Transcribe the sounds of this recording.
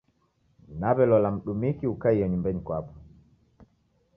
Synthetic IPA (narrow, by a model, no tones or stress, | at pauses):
naβɛlɔlam̩ɗumikiukaijɔɲumbɛɲikwapɔ̥